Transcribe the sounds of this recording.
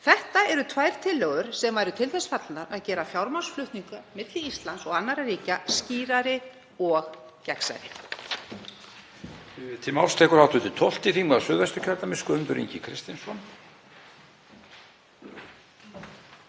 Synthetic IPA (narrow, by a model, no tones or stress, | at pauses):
θɛht̪aɛɾʏt̪ʰvaːjɾ̥t̪ʰɪlːœɣʏɾ̥sɛmvaːjɾʏt̪ʰɪlθɛsfat̪lnaɾaðcɛːɾafjawɾmansflʏht̪niŋkamɪt̪lɪist̪lansɔɣanːaɾaɾiːcasciːɾaɾɪ | ɔx | cɛksa̰jɾɪ | t̪ʰɪmawlst̪ʰɛːkʏɾawt̪ʏt̪ʰɪt̪ʰɔl̥t̪ɪθiːmaðsʏːðvɛst̪ʏcʰœɾt̪amɪskʏʏmt̪ʏɾḭɲcɪkʰɾɪst̪ɪnsɔn